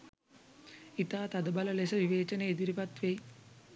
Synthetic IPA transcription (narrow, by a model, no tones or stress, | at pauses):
it̪aːt̪ɐd̪ɐbɐlɐlesɐʋiʋeːt͡ʃɐneːd̪iɾipɐt̪ʋej